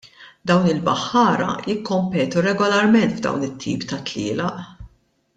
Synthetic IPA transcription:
d̪ɐwnɪlbɐħːɐːɾɐ̰jɪkːɔmpɛːt̪uɾɛɡɔlɐɾmɛnt̪vd̪ɐ̰wnɪt̪ʰːḭːpt̪ɐt̪lɪ̰ːlɐʔ

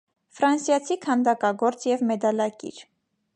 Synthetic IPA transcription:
fɾɑnsjɑt͡sʰikʰɑnd̪ɑkɑɡɔɾt͡sjɛvmɛd̪ɑlɑkḭɾ

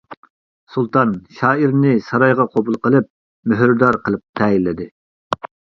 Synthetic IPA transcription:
sulˠt̪ɑnʃɑːiɾnɪsɑɾɑjʁɑqʰobulˠqəlˠɨp̚ | møɦɾd̪ɑɾqʰəlˠɨp̚t̪ʰɛjilːɪd̪ɨ

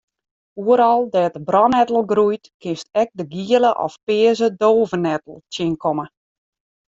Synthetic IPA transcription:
uəɾɔlˠdɛːtəbrɔnɛtəl̩ˠɡrujtkɪnstɛk̚dəɡiələʔɔ̰fpɪəzədoːvənɛtəl̩ˠtjɪnkʰɔmə

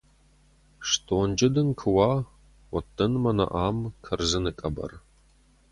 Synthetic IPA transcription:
ʂtʰʼoːnd͡ʒɪdɨnkʰɨwaː | wɔtʰːɐnmɐnɐ̰ʔaːmkʰɐrzɨnɨkʼɐbɐ̰r

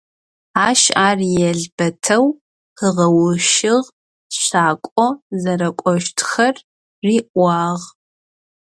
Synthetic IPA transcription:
aːʃaːrijɛɮb̥ɐtʰɐw | həʁɐwʊʃɪʁ | ɕaːkʷʼɔzɐɾɐkʷʼɔʃtʰxɐrː | iːʔʷɑːʁ

